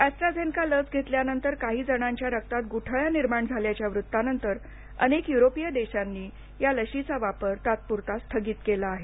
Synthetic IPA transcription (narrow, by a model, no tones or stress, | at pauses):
æst̪ɾad͡zenkalət͡sɡʱet̪ljanənt̪əɾkaɦiːd͡zəɽ̃aɲt͡ɕjaɾək̚t̪at̪̚ɡuʈʰəɭaniɾmaɳd͡zʱaljat͡ɕjaʋɾut̪ːanənt̪əɾ | ə̰nekjuɾopijəd̪eɕanːiː | jaləɕit͡saʋapəɾt̪at̪̚puɾt̪ast̪ʰəɡiːt̪kelaːɦe